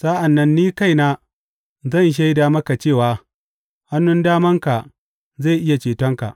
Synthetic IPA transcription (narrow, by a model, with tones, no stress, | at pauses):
saː˦ʔa˨nːɐ˦nːiː˦ka˦jnaː˦ | zɐ˦˨nʃ̬a˦jda˨mɐ˦ka˨t͡ʃeː˦˨waː˨ | ha˦nːʊ˦ndaː˦mɐ˦ŋka˨ | za˦˨ʔɪ˦ja˨t͡ʃeː˨tɔ˦ŋka̰˨ʔ